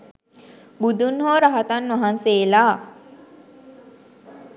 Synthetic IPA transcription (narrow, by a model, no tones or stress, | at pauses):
bud̪unɦoːɾaɦat̪anːʋaɦanseːlaː